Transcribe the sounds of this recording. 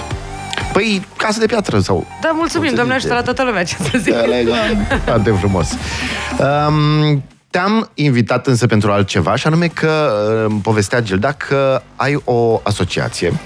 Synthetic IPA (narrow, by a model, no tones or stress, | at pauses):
pəj | kasəd̪e̞pjat̪ɾəsa̰wd̪amult̪sumimd̪oaneaʒusəlat̪at̪olumɛat͡ʃḁst̪əzileɡafat̪efɾumo̞̰s | əm | t̪eaminvit̪at̪ɨnsəpe̞nt̪ɾualt̪̚t͡ʃe̞va̰ʃianume̞kʰəpo̞ve̞st̪ead͡ʒild̪akʰəajo̞aso̞t͡ʃia̰t̪sije̞̰